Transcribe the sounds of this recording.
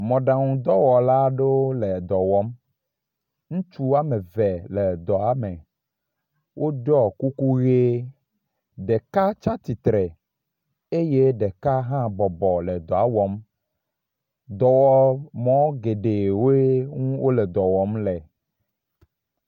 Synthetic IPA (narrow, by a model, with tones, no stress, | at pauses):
mɔ̃˨ɖa˨ŋũ˨d̪ɔ˦wɔ˨la˦ɖe˦wo˦lɛ˨d̪ɔ˨wɔ˦m | ŋũ˦t͡ʃu˦a˦mẽ˨vɛ˨lɛ˨d̪ɔ˨a˦mẽ˨ | wʔo˦ɖɔ˦ku˦ku˦ɣe˦ | ɖe˨ka˦t͡ʃa˦t̪i˨t̪ɾɛ˨ | e˦je˦ɖɛ˨ka˦ɦã˦bɔ˨bɔ˨le˨d̪ɔ˨a˦wɔ˦m | d̪ɔ˨wɔ˦mɔ̃˦ɡe˨ɖe˨wo˦e˦ŋũ˦wo˦le˨d̪ɔ˨wɔ˨˦mlɛ˨